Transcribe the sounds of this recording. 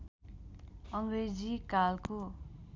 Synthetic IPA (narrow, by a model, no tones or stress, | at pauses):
ʌŋred͡zikalko